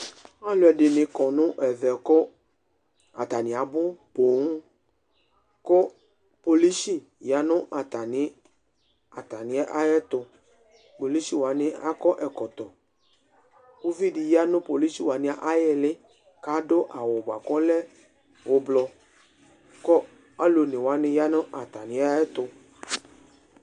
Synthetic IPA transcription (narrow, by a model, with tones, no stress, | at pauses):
a˦lo˨ɛ˨ɖɪ˨nɪ̃˨kɔ˨nʊ̃˦ʔɛ˨vɛ˨kɔ˦ | a̰˨t̪a˨nɪ̃˨a˨bʊ˦bo˨ŋu˦ | ko˦ | po˨li˦ʃi˦˨ | ja˨nʊ̃˦ʔa˨t̪a˨nɪ˨˦ | a˨t̪a˨nɪ̃˨˦ɛ˦ʔa˦jɛ˦t̪ʊ˨ | po˨li˦si˦wa˨nɪ̃˦a̰˦kɔ˦ʔɛ˨kɔ˨t̪ɔ˨ | o˦vi˦di˨ja˦nʊ̃˦po˨li˦ʃi˦˨wa˨nɪ̃˦a˨ʔa˦jɛ˧lɪ˦ | ka˦dʊ˦ʔa˨wʊ˨ba̰˨kɔ˦lɛ˦ | wo˨blɔ˧ | kɔ˦ | a˦lo˨nɪ̃˨wa˨˦nɪ̃˧ja˨nʊ̃˦ʔa˨t̪a˨nɪ̃˨˦a˦jɛ˦t̪ʊ˧